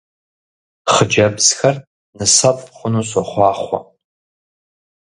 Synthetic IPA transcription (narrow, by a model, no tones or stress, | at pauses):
χəd͡ʒabzxar | nɨsapʼχʷʊnusaχʷɑːχʷa̰